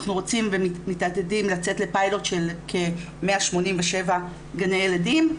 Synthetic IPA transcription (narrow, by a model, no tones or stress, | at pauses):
χnuʁo̞t͡simvemitadedimlat͡se̞tle̞pajlo̞tʃe̞lkʰe̞ | meaʃmo̞nimveʃe̞va | ɡanejeladim